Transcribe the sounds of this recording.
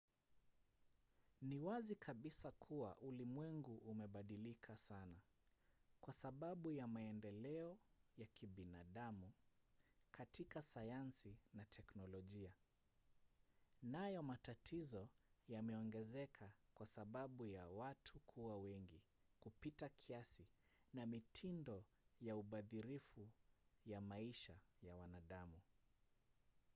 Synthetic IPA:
niwazikʰaɓisakʰuwa̰ʔulimwɛŋɡuʔːmɛɓaɗilikʰasana | kwasaɓaɓujamaɛndɛlɛɔjakʰiɓinaɗamu | kʰatikasajansinatʰɛknɔlɔʄia | najɔmatatʰizɔjamɛɔŋɡɛzɛkʰakwasaɓaɓujawatʰukʰuwawɛŋɡi | kupitakʰiasi | namitʰindɔ | jauɓaðiɾifujamaiʃajawanaɗamu

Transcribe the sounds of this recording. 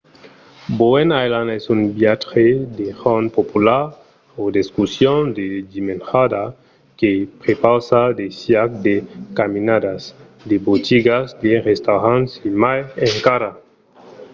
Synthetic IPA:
boenajlanesunbjat̪xed̪exonpopulaɾ | od̪eskusjond̪edimenxad̪a | kepɾepawsad̪esjakd̪ekaminad̪as | d̪ebot̪iɡasd̪eʁest̪awɾansimajeŋkaɾa

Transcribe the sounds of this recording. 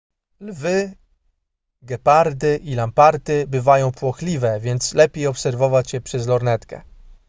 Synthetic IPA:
lvɘ | ɡɛpaɾd̪ɘʔilampaɾt̪ɘbɘvajɔ̃w̃pwɔxlʲivɛvʲjɛnt̪slɛpʲejɔpsɛɾvɔvat͡ɕjɛpʂɛzlɔɾnɛt̪kɛ̰

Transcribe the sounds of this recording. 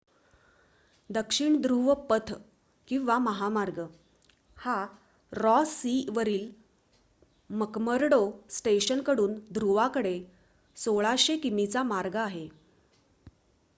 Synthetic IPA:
d̪əkʂiɳd̪ɾuʋəpət̪ʰ | kĩw̃ʋaməɦamaɾɡə | ha | ɾɔsiʋəɾiːl | məkməɾɽosʈeɕənkəɽuːnd̪ʱɾuʋakəɽe | soɭaɕekimit͡samaɾɡəaɦe

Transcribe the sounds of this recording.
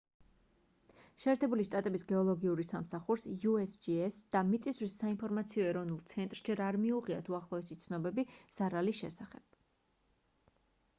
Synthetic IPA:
ʃɛːɾt̪ʰɛbuliʃt̪ʼat̪ʼɛbisɡɛɔlˠɔɡiuɾisamsaχuɾsjuɛsd͡ʒiɛsd̪̥amit̪sʼiswisːainpʰɔɾmat̪sʰiɔɛɾɔvnulˠt̪sʰɛnt̪ʼɾʃd͡ʒɛɾaɾmiuʁia̰t̪ʰuaχlˠɔɛsit̪sʰnɔbɛbiz̥aɾalisʃɛ̰saχɛb̥

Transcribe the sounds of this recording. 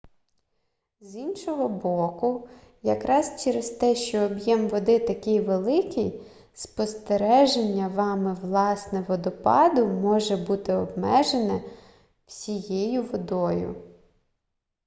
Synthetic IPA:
zinʃɔɦɔbɔkʊ | jɐkɾɑst͡ʃɛɾezt̪ɛʃt͡ʃɔːbjɛmʋɔd̪ɪt̪ɐkʲɪjʋelˠɪkij | spɔst̪eɾɛʒenʲːɐʋɑmɪʋlˠɑsnɛʋɔd̪ɔpɑd̪ʊmɔʒɛbut̪ɪɔbmɛʒenɛ | w̥sʲijejʊʋɔd̪ɔjʊ̰

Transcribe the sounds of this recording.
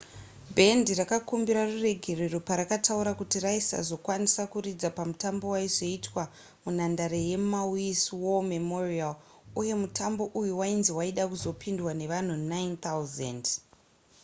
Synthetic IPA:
bʱe̞ndirakakumbiɾarure̞ɡʱe̞reropaɾakatʰauɾakutiraisa̰zo̞kwanisakuɾid͡zapamutambo̞waiʐoitwa | munandaɾeje̞mawiswomemorialuje̞mutʰambo̞ʔujuwainziwaiɗakuzo̞pʰindwane̞ʋan̤unajnt̪awuzḛnd

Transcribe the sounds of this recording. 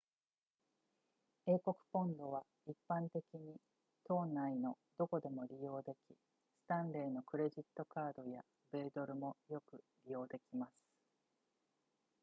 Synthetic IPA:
e̞ːko̞kɯ̟̥põ̞nd̪o̞β̞a | ipːãnt̪e̞kʲiɲ̟i | t̪o̞ːnːaino̞ | d̪̥o̞ko̞d̪e̞mo̞ɾʲijo̞ːd̪e̞kʲi | sɨ̥t̪ãnɾe̞ːno̞kɯ̟ɾe̞ʑit̪ːo̞kaːd̪o̞ja | be̞ːd̪o̞ɾɯ̟mo̞jo̞kɯ̟ | ɾʲijo̞ːd̪e̞kʲimasɨ̥

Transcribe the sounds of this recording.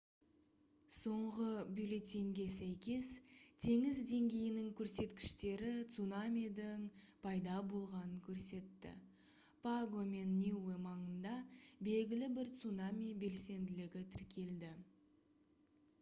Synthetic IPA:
so̞ɴʁəbilet̪iŋɡʲe̞sæjkʲe̞st̪ʰe̞ŋɪzd̪e̞ŋɡʲe̞jɪnɪŋkʲʰɵɾse̞t̪kʲɪ̥ʃt̪e̞ɾɪt̪sunamʲid̪ɪŋ | pʰɑjd̪ɑbo̞lˠʁɑnəŋkʲʰɵɾse̞t̪ːɪ̰ | pʰaɡo̞me̞nːʲewemɑɴənd̪ɑbe̞lɡʲɪlɪbɪɾt̪sunamʲibe̞lse̞nd̪ɪlɪɡʲɪt̪ʰɪɾkʲʰe̞ld̪ɪ

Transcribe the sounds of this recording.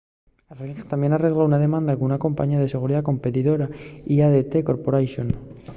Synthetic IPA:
arelst̪amje̞nareɣlaunað̞e̞mãnd̪akunako̞mpa̰ɲiað̞e̞se̞ɣ̞uɾiðako̞mpe̞t̪iðo̞ɾaiaðet̪eko̞ɾpoɾajʃon

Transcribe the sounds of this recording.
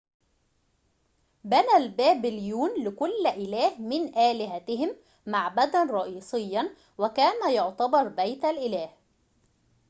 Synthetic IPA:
bænælbæːbɪljuːnlɪkʊlːʔɪlæːhmɪnʔæːlɪɦæt̪ɪhɪmː | aʕbæd̪ænɾˤɑʔiːsˤɪjːɑn | wɪkæːnæjʊʕt̪ɑbɑɾˤbæjt̪alʔɪlæːh

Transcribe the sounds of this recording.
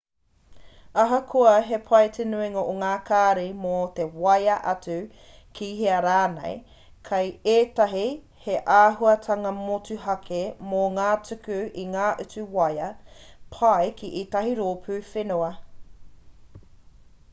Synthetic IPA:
ɐɦɐkʰoɐɦepʰɐjtʰenuiŋoʔoŋaːkʰaːɾimot̪ewɐjɐʔɐt͡sʉ | kʰiɦeɐɾaːnḛj | kʰɐjeːtɐɦi | heʔaːɦuɐtʰɐŋɐmot͡suɦɐkʰemoŋaːt͡sʉkʉiŋaːʔʉt͡sʉwɐjɐpʰɐjkʰiʔit̪ɐɦiɾoːpʰʉːfenoɐ

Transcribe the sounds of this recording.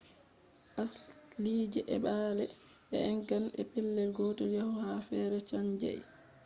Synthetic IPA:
ʔasliːd͡ʒɛʔɛɓaːlɛ | ɛɛŋkanɛ̰pɛlːɛlɡɔːtɔjahɔhafɛːɾɛt͡ʃaɲd͡ʒa̰j

